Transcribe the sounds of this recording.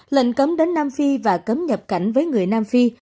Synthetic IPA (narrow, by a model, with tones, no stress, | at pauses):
lḭ˧˨ŋ̟kə˨˦mɗe˨˦nːaː˧mfi˧vaː˨˩kə˨˦mɲə˨˩p̚ka˧˩jŋ̟vəː˨˦jŋɨ˨˩əjnaː˧mfi˧